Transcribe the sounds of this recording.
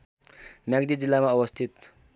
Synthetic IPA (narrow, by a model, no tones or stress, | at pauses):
mjaɡd̪id͡zilːamaʌwʌst̪ʰit̪